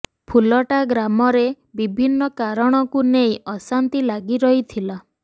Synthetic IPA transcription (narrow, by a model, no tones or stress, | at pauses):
pʰulɔʈaɡɾamɔɾe | bibʱinːɔkaɾɔɽ̃ɔkunejɔsant̪ilaɡiɾɔɦit̪ʰila